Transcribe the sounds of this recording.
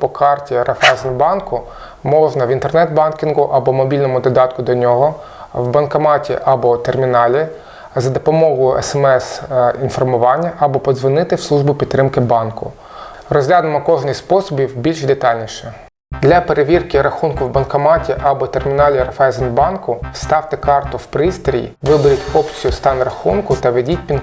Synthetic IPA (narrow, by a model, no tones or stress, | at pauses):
pɔkɑrtʲiɾɐfɛzɛnbɑnkʊ | mɔʒnɐʋʲint̪ernɛt̪bɑnkʲinɡʊʔɐbɔmɔbʲilʲnɔmʊd̪ɔd̪ɑt̪kʊd̪ɔnʲɔɦɔ | wbɐnkɐmɑtʲḭʔɐbɔt̪ermʲinɑlʲi | zɐd̪ɔpɔmɔɦʊɛ̰sɛmɛsinfɔrmʊʋɑnʲːɐʔɐbɔpɔd̪zʋɪnɪt̪ɪwslˠuʒbʊpʲid̪̚ɾɪmkɪbɑnkʊ̰ | rɔzɦlʲad̪ɪmɔkɔʒnʲisʲspɔsɔbʲiwbʲilʲʃd̪et̪ɑlʲnʲiʃɛ | d̪lʲɐpeɾeʋʲirkɪɾɐxunkʊwbɐnkɐmɑtʲiʔɐbɔt̪ermʲinɑlʲiɾɐfɛzɛnbɑnkʊst̪ɑwt̪ɛkɑrt̪ʊwpɾɪst̪ɾʲijḭʋɪbɪɾʲitʲɔpt͡sʲijʊst̪ɑnrɐxunkʊt̪ɐʋedʲitʲpʲin